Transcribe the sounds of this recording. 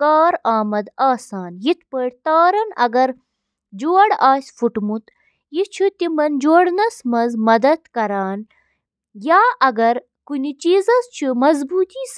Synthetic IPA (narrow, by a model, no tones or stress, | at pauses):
kaːɾaːmɐd̪aːsaːnjit̪̚ʰpəɽʲt̪aːɾɐnɐ̰ɡɐɾ | d͡ʒoːɐɽaːsʲfuʈmut̪ | jit͡ʃʰut̪imɐnd͡ʒoːɽnɐsmɐzmɐd̪ɐd̪kɐɾaːn | jaːʔɐɡɐɾ | kunit͡ʃiːzɐzt͡ʃʰumɐzbuːt̪iːs